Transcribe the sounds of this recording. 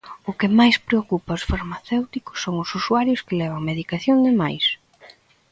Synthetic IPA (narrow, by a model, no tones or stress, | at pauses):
ʊkɪmajspɾeokupaʊsfaɾmaθewt̪ikʊ̥sːoŋʊsusuaɾjʊskɪlɛβaŋmeðikaθjoŋd̪ɪmajs